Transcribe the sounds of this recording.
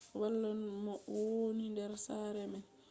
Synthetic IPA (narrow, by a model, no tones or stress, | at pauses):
walːanmɔwwonindɛɾsaːɾɛmɛn